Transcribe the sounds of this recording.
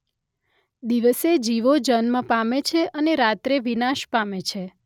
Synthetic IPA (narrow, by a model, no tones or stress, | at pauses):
d̪iʋəsed͡ʒiʋod͡ʒənmə̃pamet͡ʃʰeʔəneɾat̪ɾeʋinaʃpamet͡ʃʰe